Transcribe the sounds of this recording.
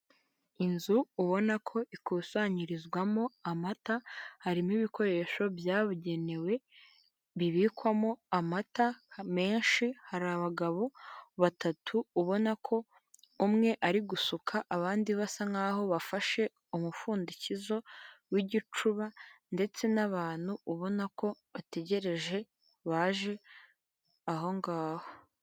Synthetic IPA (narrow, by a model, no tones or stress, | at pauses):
inzuːβo̞nakʰo̞ʔikuːsaɲiɾizɡwamo̞amatahaɾimiβiko̞ɾe̞ʃo̞bjaːβuɟe̞ne̞we̞ | βiβiːkwamo̞amatame̞ːnʃihaɾaβaɡaβo̞βatatʰuuβo̞nakʰo̞ | umŋe̞ʔaɾiɡusukʰaʔaβaːndiβasaŋɡaːɦo̞βafaʃe̞ | umufuːndicizo̞wiɟit͡ʃuβande̞t͡se̞naβaːn̥huːβo̞nako̞βate̞ɟe̞ɾe̞ʒe̞ | βaːʒe̞ | aɦo̞ŋɡaːho